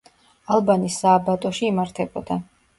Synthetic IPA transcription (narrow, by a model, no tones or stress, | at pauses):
alˠbanisːaːbat̪ʼɔʃiːmaɾt̪ʰɛbɔd̪a